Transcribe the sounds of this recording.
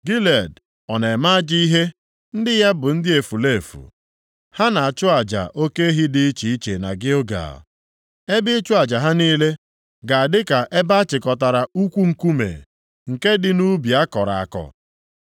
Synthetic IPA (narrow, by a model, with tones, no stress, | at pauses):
ɡi˦le˨d | ɔ˨ne˨ma˦d͡ʒi˦i˦ɦe˦ | n̩˦dɪ˦ja˦bʊ˨n̩˦dɪ˦e˨fu˨le˦˨fṵ˨ | ha˦na˨a˨t͡ʃʊ˦a˨d͡ʒa̰˨ʔo˦ke˦e˦ɦi˦dɪ˦t͡ʃi˨i˦t͡ʃe˨na˨ɡɪ˦o˦ɡa̰˨ | e˦bɪ˦t͡ʃʊ˦a˨d͡ʒa˨ɦa˦niː˦le˦ | ɡa˨a˨dɪ˦ka˨ʔe˦ba˦a˦t͡ʃɪ˨kɔ˨ta˨ɾa˨u˦kʷu˦ŋ̩˨ku˦mḛ˨ | ŋ̩˨ke˦dɪ˨nu˦bi˨a˦kɔ˨ɾa̰˨a̰˨kɔ̰˨